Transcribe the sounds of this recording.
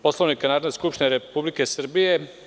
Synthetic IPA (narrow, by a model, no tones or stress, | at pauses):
po̞sloʋnikanaːɾd̪eskupʃt̪ineɾepublike̞sr̩bije